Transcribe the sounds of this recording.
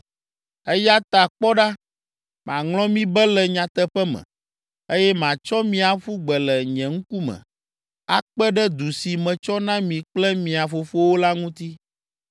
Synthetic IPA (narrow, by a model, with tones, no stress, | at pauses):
ɛ˦ja˦t̪a˨k͡pɔ˦ɖa˦ | m˨ã˨ŋlɔ̃˦mĩ˦bɛ˦lɛ˨ɲã˨t̪ɛ˦ɸɛ˦mɛ̰̃˨ | e˦jɛ˦mã˨t͡ʃɔ˦mĩ˦a˨ɸu˦ɡ͡bɛ˨lɛ˨ɲɛ̃˨ŋ̩̃˦ku˦mɛ̰̃˨ | a˦k͡pɛ˦ɖɛ˦d̪u˨si˨mɛ̃˨t͡ʃɔ˦nã˦mĩ˨k͡plɛ˦mĩ˨a˨fo˨fo˦wo˦la˦ŋũ˦t̪i˦